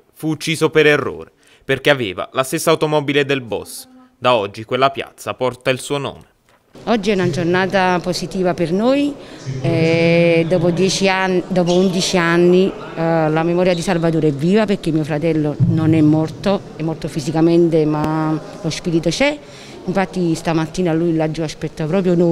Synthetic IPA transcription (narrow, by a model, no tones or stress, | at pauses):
fuːt͡ʃːiːzopeɾerːo̰ːɾe | perkeaveːva̰last̪esːaːwt̪omɔbiled̪elbɔ̰s | d̪aɔd͡ʒːikwelːapja̰t̪sːapɔrt̪ailsuːono̰ːme | ɔd͡ʒːiɛunad͡ʒornaːt̪aposit̪iːvapernojɛd̪ɔːpod̪jɛːt͡ʃiad̪ɔːp̬ound̪it͡ʃianːi | lamemɔːɾjad̪isalvat̪oːɾeɛvːiːvaperk̟emːiːofɾat̪ɛlːononɛmːɔrt̪o | ɛmːɔrt̪ofizikament̪ema | lospiːɾit̪ot͡ʃɛ | iɱfat̪ːist̪amat̪ːiːnalujlad͡ʒːuaspɛt̪ːapɾɔːp̬ɾjono